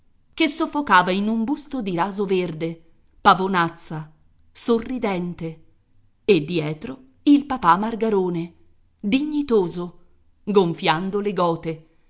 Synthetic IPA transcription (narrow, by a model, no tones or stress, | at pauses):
kesːofːokaːvainumbust̪od̪iɾaːzoverd̪e | pavonat̪sːa | sorːid̪ɛnt̪e | ed̪ːjɛːt̪ɾo | ilpapamːarɡaɾoːne | d̪iɲːit̪oːzo | ɡoɱfjand̪oleɡɔːt̪e